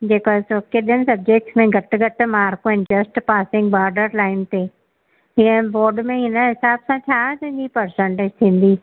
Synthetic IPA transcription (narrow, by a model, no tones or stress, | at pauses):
d͡ʑeːkɔzoːkeɗɪənɪ̆sɐb̚d͡ʑek̚ʈsmẽɡʱɐʈɡʱɐʈ̆maːɾkõɪ̃nd͡ʒɐsʈpaːsɪ̃ŋɡɓaːɾɖəɾlaːɪmt̪e | iɛ̃boːɾɖmẽɦɪnəɦɪsaːbsãt͡ɕʰãːt̪ɐ̃ɦɪ̃ɲd͡ʑipɐɾsẽɳʈeːd͡ʑt̪ʰĩːn̆d̪i